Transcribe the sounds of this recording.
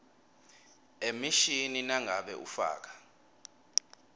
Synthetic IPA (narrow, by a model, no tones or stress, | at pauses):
emiʃininaŋʱaɓɛ̰ʔṵfa̰ːk̬ḁ